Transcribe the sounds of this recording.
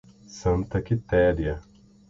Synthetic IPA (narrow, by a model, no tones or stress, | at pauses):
sɐ̃nt̪ɐkit̪ɛːɾjɐ